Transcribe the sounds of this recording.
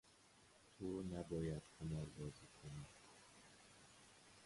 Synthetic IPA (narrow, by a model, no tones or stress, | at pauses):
t̪ʰunæbɒːjæd̪̥hamɒːɾbɒːziːkʰonid̪